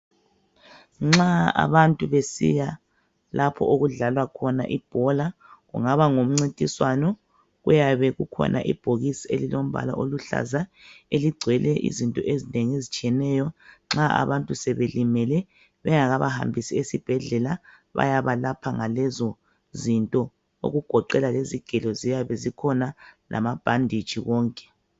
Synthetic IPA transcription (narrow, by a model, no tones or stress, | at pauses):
ŋ͡ǁaa̰βantʼuβesḭja | lapʰɔ̰ʔoɣuɮalwakʰɔna̰ʔib̥ʱɔla | ɣṵŋaβaŋom̩ŋ͡ǀintʼiswanɔ | ɣujaβɛɣukʰɔ̰nʔa̰ʔib̥ʱoɣisielilom̩βʱa̰la̰ʔoluɬa̰zaeliɡ͡ǀʱwɛlɛʔḭzintʼɔ̰ʔezineŋiezit͡ʃʼiɛnɛjɔŋ͡ǁaʔa̰βantʼusɛβelimɛlɛ | βɛŋaɣaβaha̰mbʱisiesib̥ʱɛɮɛla | βa̰jaβalapʰaŋalɛzɔ | zintʼɔ | o̰ɣuɡ̥ʱɔǃɛlaleziɡ̥ʱɛlɔzijaβɛzikʰɔnalʔa̰mab̥ʱandʱi̥t͡ʃʼiɣɔːŋkʼɛ̥